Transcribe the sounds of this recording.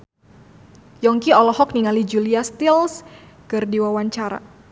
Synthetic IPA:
jɔŋkiɔlɔɦɔk̚niŋalid͡ʒuliast̪ils | kɨrdiwawaɲt͡ʃaɾa̰

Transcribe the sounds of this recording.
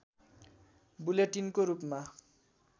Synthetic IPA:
buleʈinkoɾupma

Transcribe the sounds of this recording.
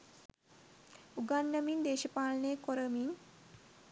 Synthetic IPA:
uɡanːəmind̪eːʃəpaːlɐneəkoɾəmin

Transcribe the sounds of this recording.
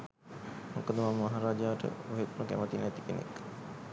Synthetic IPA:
mokəd̪əmammaɦaɾaːd͡ʒaːʈə̰oɦet̪nəkæ̰mət̪inɛt̪i̥kenḛk

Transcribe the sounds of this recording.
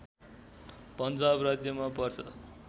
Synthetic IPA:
pʌnd͡zabrad͡zjʌmapʌrt͡sʰʌ̰

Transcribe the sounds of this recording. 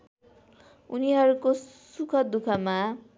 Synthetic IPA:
ṵniɦʌɾuko | sukʰʌd̪ukʰʌma

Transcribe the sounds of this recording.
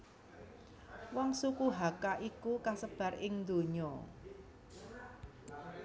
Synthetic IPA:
wɔŋsukuɦakaʔikukasəb̥ä̤rɪŋnd̪o̤ɲɔ

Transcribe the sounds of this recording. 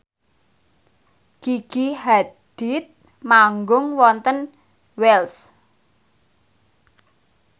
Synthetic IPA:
kiɡ̥ihad̪̥it̪̚ | maŋɡʊŋwɔnt̪ən | wɛls

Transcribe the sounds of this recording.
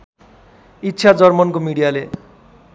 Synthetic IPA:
itːɕʰad͡zʌrmʌnkomiɽijale

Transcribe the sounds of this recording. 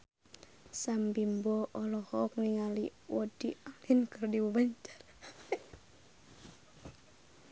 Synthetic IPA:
sambimbɔʔɔlɔhɔɔk̚niŋaliwɔdialinkərdiwubaɲt͡ʃḁr

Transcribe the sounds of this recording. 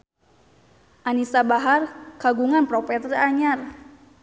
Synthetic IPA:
ʔanisabaɦarkaɡuŋanpɾɔpɛt̪raɲar

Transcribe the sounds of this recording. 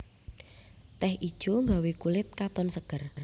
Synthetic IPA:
t̪ɛhʔid̥ʒ̥oŋɡawekulɪt̪̚kat̪ɔnsəɡ̥ər

